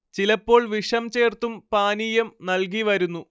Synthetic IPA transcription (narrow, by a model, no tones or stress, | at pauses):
t͡ɕilɐpːo̞ːɭʋiʂɐmt͡ɕe̞ːrt̪umpaːnijɐmnɐlk̬iʋɐɾunːu